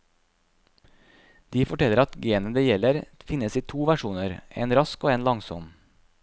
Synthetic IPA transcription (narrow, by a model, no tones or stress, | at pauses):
d̪̥iːfɔʈɛləɾɑt̪ɡeːnənd̪eːjɛləɾfɪnəsiːt̪ʰuːʋæʃuːnəɾḛːnɾɑskoːeːnlɑŋsɔm